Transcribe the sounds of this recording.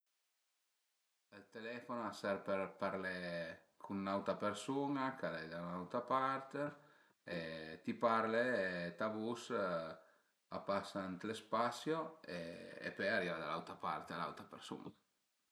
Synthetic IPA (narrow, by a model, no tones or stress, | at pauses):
alt̪elɛfonoasaɾpeɾpaɾle | kʰunːawt̪apeɾsunakalɛd̪anawt̪ɾapaɾt̪e | et̪ipaɾlet̪abus | a̰pasant̪lespasjoeḛpɛjaɾivad̪ala̰wt̪ɾapa̰ɾt̪eala̰wt̪ɾapeɾsṵna